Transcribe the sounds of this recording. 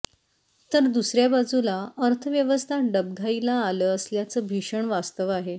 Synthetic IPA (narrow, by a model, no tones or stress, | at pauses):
t̪əɾd̪usɾjabad͡zulaəɾt̪ʰəʋjəʋəst̪ʰaɖəb̚ɡʱailaːləəsljat͡səːbʱiʂəɳʋast̪əʋaɦe